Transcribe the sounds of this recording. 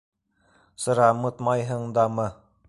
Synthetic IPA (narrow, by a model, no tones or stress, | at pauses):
sɤ̆ɾɑmɤt̪mɑjɦɤɴd̪ɑmɤ